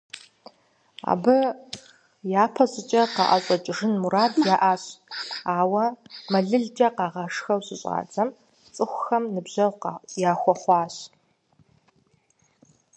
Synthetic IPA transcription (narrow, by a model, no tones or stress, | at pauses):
a̰ːbɨ | jaːpʰɐɕʼɪt͡ʃʼɐqɑ̰ʔaɕʷʼɐt͡ʃʼɪʐɨnmuɾaːdjaːʔaːɕaːwɐmɐɮɨɮd͡ʒʼɐqɑːʁɐʂxɐwɕɪɕʼa̰ːd͡zɐm | t͡sʼɨχʷʊxɐmnɨbʑɐwqjaːxʷɔχʷɑːɕ